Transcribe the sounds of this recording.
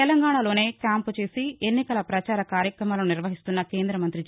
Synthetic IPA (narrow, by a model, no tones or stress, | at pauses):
ɛlɐŋɡaːɳalo̞ːne̞ːkjaːmput͡ʃe̞ːsienːikɐlɐpɾɐt͡ʃaːɾɐkaːɾjɐkɾɐmaːloniɾʋɐɦist̪unːɐke̞ːnd̪ɾɐmɐnt̪ɾi